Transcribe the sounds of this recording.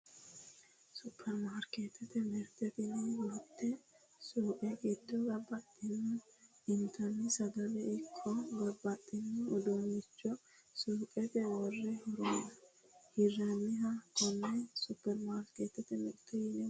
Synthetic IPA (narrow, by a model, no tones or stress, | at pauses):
sʊpʰːɛɾmaːɾket̪ʰːɛt̪ɛmɛɾt̪ɛt̪ɪnɛwɔt̪ːɛ | suːkʼɛkʼɪd̪ːɔɡɐbːɐt̪ʼːɪnːʊ | ɪnt̪ʰɐnːɪsɐɡɐlɛʔɪkʰːɔɡɐbɐt̪ʼːɪnːɪʔɔd̪omɪt͡ʃːɔ | suːkʼɛt̪ɛwɔrːɛhɔɾɔmnɐ | hɪrɐnːɪɦɐkɔnːɛsʊpːɛɾmaːɾket̪ːɛt̪ɛmɛɾt̪ɛjɪnɛ